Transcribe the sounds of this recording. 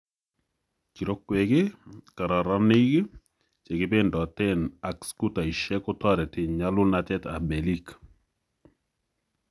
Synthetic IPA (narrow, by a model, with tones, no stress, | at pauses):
ki˨ɾo˦kːwe˨ke˦ka˨ɾa˨ɾa˦ni˦k | t͡ʃe˨kɪ˦be˦ndɔ˨tɛ˦na˨ksku˦ta˨i˨ʃɛ˦kʊ˦tɔ˦ɾɛ˨tɪ˨ɲa˦lʊ˦na˦tɛ˦ta̰˨me˨li˦k